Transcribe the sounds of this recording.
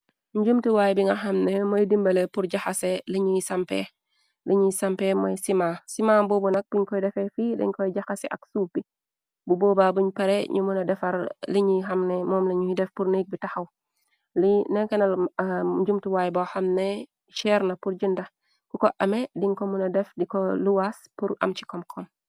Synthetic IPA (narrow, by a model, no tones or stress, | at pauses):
ɲd͡ʒumtiwaːjbiŋɡaɦɐmnemojdimbɐlepuɾɟaxaseliɲisɐmpḛ | liɲisɐmpemojsimaːsimabobunɐk̚b̥uɲkɔjdɛfefidḭɲkɔjɟaxaseʔa̰ksuːfb̥i | buboːbabuɲpɐɾeɲumunɐdɛfɐɾliɲiɦɐmnɛmɔːmliɲuidɛfpuɾnik̚bitɐxaw | linɛkɛnɐld͡ʒumtuwajbɔxɐmnɛ | ʃɛɾnɐpuɾd͡ʒindɐ | kukɔʔɐmɛdiŋkɔmunɐdɛfdikɔluwaspuɾʔɐ̰mt͡ʃi̥kɔmkʰɔm